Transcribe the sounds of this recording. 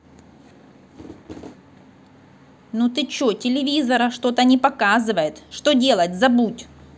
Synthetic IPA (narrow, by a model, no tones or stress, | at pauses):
nut̪ɨt͡ɕotʲɪlʲɪvʲizɐɾəʂt̪o̞t̪ənʲɪpɐkazɨvəjɪt̪ʂt̪o̞dʲe̞lˠətʲzɐbutʲ